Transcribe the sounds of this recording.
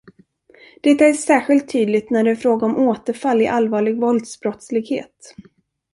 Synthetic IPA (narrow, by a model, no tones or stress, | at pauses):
d̪̥ɛt̪ːaæʂæːɾɧɪlt̪ʰːyːd̪lɪt̪næɖɛfɾoːɡaɔmʔoːt̪əɾfalːɪʔalːvɑːɭɪɡvɔld̪sbɾɔt̪slɪɡhḛːt̪